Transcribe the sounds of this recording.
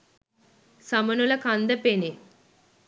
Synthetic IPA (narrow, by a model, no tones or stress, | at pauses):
sɐmɐnulɐkand̪ɐpeni